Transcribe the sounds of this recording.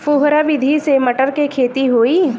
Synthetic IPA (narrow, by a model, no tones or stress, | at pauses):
puɦɾaʋɪd̪ʱisemɐʈəɾkekʰeːt̪iɦoːiː